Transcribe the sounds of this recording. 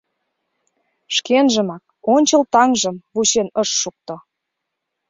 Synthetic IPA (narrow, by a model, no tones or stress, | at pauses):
ʃkenʒə̆mɑk̚ | onʲt͡ɕə̆lt̪ɑŋʒə̆mβuɕenəʃːuk̚t̪o